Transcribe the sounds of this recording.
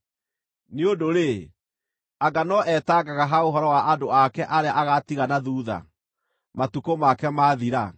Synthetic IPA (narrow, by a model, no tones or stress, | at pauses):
neodoɾe | aɡanɔʔɛtaɡaɣaɦaoɦɔɾɔwaadoakɛʔaɾeaʔaɣatiɣanaðuːða̰ | matukomakɛmaðiɾa